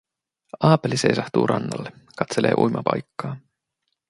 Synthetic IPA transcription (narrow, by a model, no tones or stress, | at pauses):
ɑːpelise̞jsɑht̪uːɾʔɑ̰nːɑ̰lːekɑt̪se̞le̞̰ːʔujmʔɑpɑ̰jkːɑː